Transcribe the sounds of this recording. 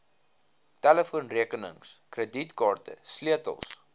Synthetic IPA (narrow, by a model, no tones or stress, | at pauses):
tæləfuənriəkənə̰ŋskrəditkɑːrtə̰sliətə̰lˠs